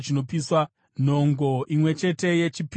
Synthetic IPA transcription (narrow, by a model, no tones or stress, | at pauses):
t͡ʃino̞piswa | n̤o̞ŋɡo̞ʔimwe̞t͡ʃe̞te̞je̞t͡ʃip